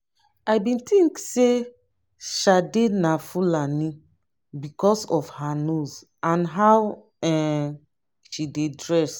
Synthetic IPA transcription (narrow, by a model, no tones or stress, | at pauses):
ajbĩntĩŋkse | ʃadenafulanĩ | bikɔsɔfhanoz | ãnɦaw | ɛ | ʃidedɹɛs